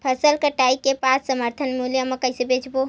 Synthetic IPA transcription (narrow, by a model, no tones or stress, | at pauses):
pʰəsəlkəʈaikepasːəməɾt̪ʰənmuljəmekəjsebed͡ʒbo